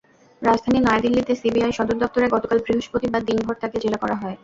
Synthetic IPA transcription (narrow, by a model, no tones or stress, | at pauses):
ɾad͡ʑd̪ʱaninajad̪ilːit̪esibiajʃɔd̪oɾd̪ɔp̚t̪oɾeɡɔt̪okalbɾiɦoʃpɾot̪ibad̪ːinbʱoɾt̪ʰaked͡ʑelakɔɾaɦɔe